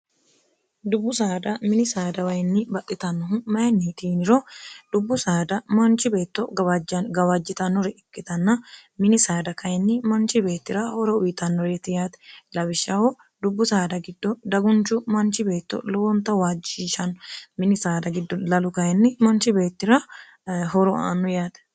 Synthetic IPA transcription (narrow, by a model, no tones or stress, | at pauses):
d̪ʊbːʊsaːd̪ɐmɪnɪsaːd̪ɐwɐjnːɪbɐt̪ʼːɪt̪ɐnːɔmɐjɛnːit̪iːnɪɾɔd̪̥ʊbːʊsaːd̪ɐmɐnt͡ʃɪbe̞ːt̪ːɔɐɐɡɐwɐd͡ʒːɪt̪ɐnːɔɾɛɪkːɪt̪ɐnːɐmɪnɪsaːd̪ɐkɐjɛnːɪmɐnt͡ʃɪbe̞ːt̪ːɪɾɐhɔɾɔʊjɪt̪ɐnːɔɾɛt̪ɪjaːt̪ɛlɐbɪʃːɐhɔ | d̪ʊbːʊsaːd̪ɐɡɪd̪ːɔd̪ɐɡʊnt͡ʃːʊmɐnt͡ʃɪbe̞ːt̪ːɔ̰lɔwɔnt̪ːɐwaːd͡ʒiːʃɐnːɔmɪnɪsaːd̪ɐɡɪd̪ːɔlɐlʊkɐjɛnːɪmɐnt͡ʃɪbe̞ːt̪ːɪɾɐ | ɦɔɾɔa̰ːnːɔjaːt̪ɛ̥